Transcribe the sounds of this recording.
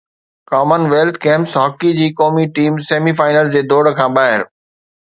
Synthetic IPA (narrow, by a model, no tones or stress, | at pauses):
kɔːmənʋeːlt̪ʰkẽːmpsɦɔːkid͡ʑiːkɔːmiʈiːmseːmifaːɪnəlzd͡ʑeːd̪oːɽkʰãːɓaːɦɪɾ